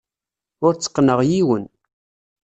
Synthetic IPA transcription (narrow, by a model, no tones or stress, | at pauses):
ʊɾt͡sːə̥qːnəʁjiwən